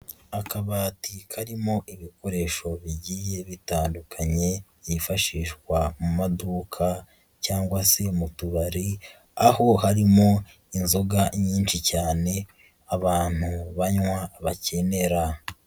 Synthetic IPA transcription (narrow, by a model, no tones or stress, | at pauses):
akaβaːtikʰaɾimo̞ʔiβiko̞ɾe̞ːʃo̞βiɟiːje̞βitaːndukʰaɲe̞ | ifaʃiːʃɡwamumaduːkʰa | caːŋɡwase̞mutuβaɾi | aho̞haɾimo̞ | inzoɡaɲiːnʃicaːne̞ | aβaːn̥huβaɲwaβace̞ne̞ɾa